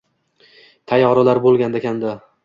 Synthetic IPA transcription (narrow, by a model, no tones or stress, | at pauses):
t̪ʰajɒɾʊlaɾbolˠɡʲand̪akʲʰand̪a